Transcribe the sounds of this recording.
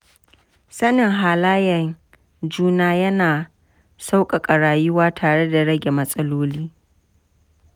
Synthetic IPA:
sɐ˦nɪ˨ŋɦaː˨laː˦jɛ˨ŋ | d͡ʒuː˦naː˦jɐ˦naː˨ | sa˦wkʼa˨kʼɐ˨ɽaː˨jʊ˦waː˦tʰaː˨ɽe˦da˨ɽɐ˦ɡʲe˨mɐ˦sʼɐ˦loː˦liː˦

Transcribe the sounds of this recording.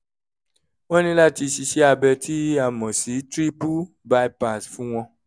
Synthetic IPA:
wɔ̃˦nĩ˦la˦ti˧ʃi˧ʃe˦a˧bɛ˧tʰi˦a˧˨mɔ̃˨si˨˦tɾi˦pu˦ | ba˧i˦pa˨sfũ˦w̃ɔ̃˧

